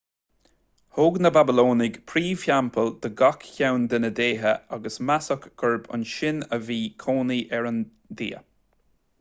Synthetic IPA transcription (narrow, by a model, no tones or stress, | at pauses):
hoːɡnəbabɪloːnɪɡpʰɾiːfjampʰəld̪̥əɡakçawnd̪ənəd̪eːɦəaɡəsmasəkɡ̥əɹbʊ̰nʃɪnəviːkʰoːniʔɛɹən | d̪ḭːə